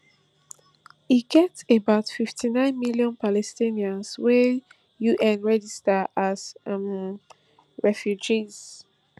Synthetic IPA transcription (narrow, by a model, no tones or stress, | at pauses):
iɡɛtebaʊtfiftʰinãɪ̃nmiliɔ̃npalɛstĩniãnswɛ | juʔɛ̃nɹɛd͡ʒistaʔazm | ɹɛfjud͡ʒiz̥